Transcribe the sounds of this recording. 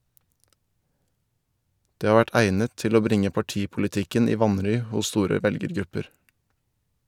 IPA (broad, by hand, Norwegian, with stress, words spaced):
ˈdeː ˈhɑː ˈʋæʈ ˈæɪnət ˈtɪl ˈoː ˈbɾɪŋə pɑˈʈiːpʊlɪˌtɪkən ˈiː ˈʋɑnɾʏ ˈhʊs ˈstuːɾə ˈʋɛlɡəɾˌɡɾʉpəɾ